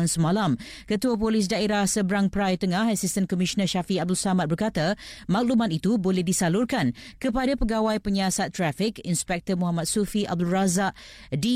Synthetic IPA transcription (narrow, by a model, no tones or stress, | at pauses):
nsəmãlamkət̪uapolis̬daeɾahsəbəɾaŋpəɾajt̪əŋãɦasist̪ənkɔmisənəʃafiab̚dulsamãt̪̚bərkat̪amak̚lumãt̪̚it̪ubolɛhdisalurkankəpadapəɡawajpəɲasat̪ːɾɛfikinspɛk̚t̪əmɔ̃ɦamat̪̚sufiʔa̰b̚dulrazaʔ | di